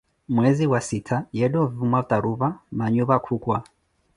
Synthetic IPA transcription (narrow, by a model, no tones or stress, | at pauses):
mwɛziwasitʰajɛɗɔvvumwaut̪aɾuβamaɲuβakʰukwa